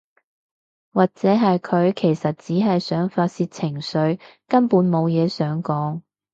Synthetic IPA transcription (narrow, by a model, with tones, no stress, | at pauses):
waː˨k̚t͡sɛː˨˥ɦɐ˨jkʰɵ˨˧ɥkʰe˨˩jsɐ˨t̚t͡siː˨˥ɦɐ˨jsœː˨˥ŋfaː˧t̚siː˧t̚t͡sʰɪ˨˩ŋsɵ˨˥ɥkɐ˥npuː˨˥nmo˨˧wjɛː˨˧sœː˨˥ŋkɔː˨˥ŋ